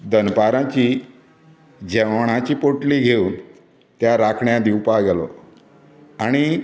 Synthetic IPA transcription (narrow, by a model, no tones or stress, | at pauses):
d̪ənpaɾãt͡ɕi | d͡ʑɛʋɳ̃ãt͡ɕiːpoʈliɡʱeun | t̪jaɾakʰɳjãd̪iwpaɡɛlɔ̰ | aɽ̃i